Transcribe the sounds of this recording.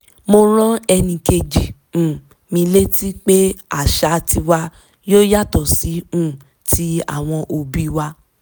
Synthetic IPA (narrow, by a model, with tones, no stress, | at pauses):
mo˧ɾ̃ɔ̃˦ɛ˧nĩ˧ke˧d͡ʒĩ˨ | mĩ˧le˦ti˦k͡pe˦a˨ʃa˧ti˧wa˧ | jo˦ja˦tɔ˨si˨˦ũ˦˨ | tʰi˨˦a̰˦˨w̃ɔ̃˧ʔo˧bi˦wa˧